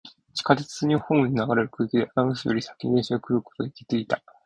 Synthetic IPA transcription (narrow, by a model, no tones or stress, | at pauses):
t͡ɕi̥kat̪et͡sɨ̥zɨɲ̟iohõ̞ɲ̟inaɡaɾe̞ɾɯ̟kɯ̟ːkʲid̪eʔat̪amɯɕijoɾʲisḁkʲinʲẽːɕiokɯ̟ɾɯko̞t̪o̞eikʲit̪eit̪a